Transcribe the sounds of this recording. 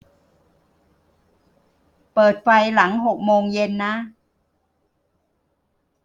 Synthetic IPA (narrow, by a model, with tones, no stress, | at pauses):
pɤː˨˩t̪̚fa˧jla˩˦ŋɦo˨˩k̚moː˧ŋje˧nːa˦˥